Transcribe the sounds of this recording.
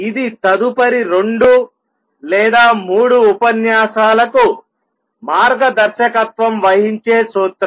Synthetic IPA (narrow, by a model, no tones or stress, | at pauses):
id̪it̪ɐd̪upɐɾiɾoɳɖu | lɛːd̪aːmuːɽuːpɐnjaːʃaːlɐku | maːɾɡɐd̪ɐɾʃɐkɐt̪ʋɐmʋɐɦiɲt͡ʃe̞ːsuːt̪ɾ